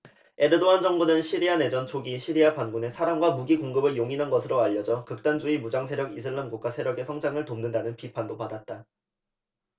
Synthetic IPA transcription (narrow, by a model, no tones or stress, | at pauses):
e̞ɾɯdoand͡ʑʌŋbunɯnɕʰiɾiane̞d͡ʑʌnt͡ɕʰoɡiɕʰiɾiapanɡune̞sʰaɾamɡwamuɡikoŋɡɯbɯɭjoŋinɦanɡʌsʰɯɾoaʎːʌd͡ʑʌkɯk̚t͈and͡ʑuimud͡ʑaŋsʰe̞ɾjʌɡis̬ʰɯɭːamɡuk͈wasʰe̞ɾjʌɡe̞sʰʌŋd͡ʑaŋɯɭtomnɯndanɯnpipʰandopadat̚t͈a